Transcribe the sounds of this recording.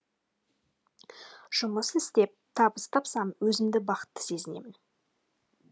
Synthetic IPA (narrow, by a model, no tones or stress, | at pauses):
ʒ̥ʊməsɪst̪e̞p̚t̪ʰɑbəst̪ʰɑpsɑmwɵzɪmd̪ɪbɑqə̥t̪ːə̥se̞zɪne̞̰mɪn